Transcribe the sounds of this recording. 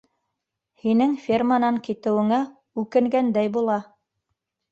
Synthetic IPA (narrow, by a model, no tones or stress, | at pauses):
hinɘŋfʲirmanɑŋkit̪ɘ̆wɘ̆ŋæ | ʉkɘ̆ŋɡænd̪æjbulˠɑ